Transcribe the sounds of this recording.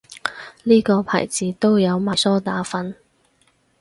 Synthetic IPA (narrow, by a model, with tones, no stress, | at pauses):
liː˥kɔː˧pʰa̰ː˨˩jt͡siː˨˧t̪o˥wjɐ˨˧wmaː˨jsɔː˥t̪aː˨˧˥fɐ˨˥n